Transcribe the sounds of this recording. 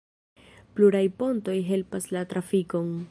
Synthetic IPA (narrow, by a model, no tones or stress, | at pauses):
pluɾajpo̞nto̞jɦe̞lpaslatɾafiko̞n